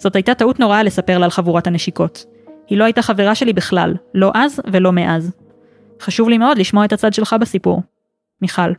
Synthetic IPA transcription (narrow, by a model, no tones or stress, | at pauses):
z̥o̞thajtat̪autno̞ʁale̞sape̞ʁlaːlχavuʁothaneʃiko̞t | hilo̞hajtaχaveʁaʃe̞libiχla̰lːo̞ʔazve̞lo̞meʔaz | χaʃuvlimeo̞dliʃmo̞aethat͡sad̪ʃe̞lχabesipṵʁ | miχal